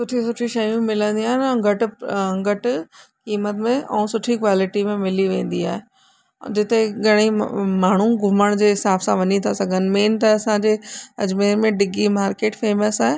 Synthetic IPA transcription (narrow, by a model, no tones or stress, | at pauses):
sʊʈʰisʊʈʰiʃɐjũmɪlə̃nd̪iaːɦnɡɐʈɡəʈkiːmət̪mẽʔɛ̃sʊʈʰikʋaːlɪʈimẽmɪliʋẽːn̆d̪iaːɦe | d͡ʑɪt̪eɡɐɽ̃imaːɳ̤ũɡʱʊməɽ̃d͡ʑeːɦɪsaːbsãʋɐɲit̪ʰasɐɡʱənɪ̆meːnt̪ɐɐsãd͡ʑeːɐ̰d͡ʑmeːɾmẽɖɪɡimaːɾkeːʈfeːməsaːɦe